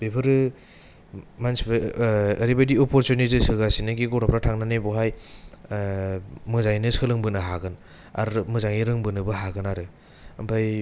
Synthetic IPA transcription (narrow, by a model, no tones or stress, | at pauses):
bepʰɯɾɯ | mansbɯːɾibajdiɔpɔɾtunizɯsɯɡasinɯɡiɡɔɾapɾatʰaŋnanebɔɦaj | mɯzajnɯsɯlɯŋbɯnɯɦaɡɯn | a̰ɾmɯzaŋiɾɯŋbɯnɯbɯɦaɡɯnaɾɯ | ɐmpʰaj